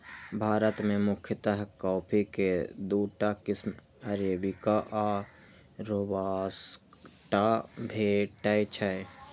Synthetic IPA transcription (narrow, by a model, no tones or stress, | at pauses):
bʱaːɾət̪mẽmʊkʰjət̪əɦkɔːpʰiked̪uːʈakɪsm | əɾeːbikaʔa | ɾobaːsʈabʱeːʈəjt͡ʃʰəj